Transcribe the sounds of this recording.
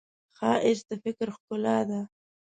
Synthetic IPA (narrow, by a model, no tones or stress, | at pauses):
xɑːʔɪsd̪əfɪkɾxkʊlɑd̪a